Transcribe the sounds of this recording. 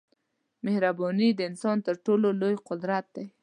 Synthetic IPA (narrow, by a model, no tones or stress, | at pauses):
mehɾabɔnid̪əɪnsɑnt̪əɾʈololojqʊd̪ɾat̪̚d̪ej